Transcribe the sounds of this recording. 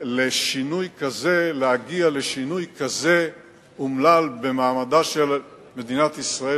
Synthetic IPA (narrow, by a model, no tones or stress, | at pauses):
leʃinujkaze̞lehaɡiale̞ʃinujkaze̞ | umlalbe̞maːmad̪aʃe̞l | me̞d̪inat̪isʁae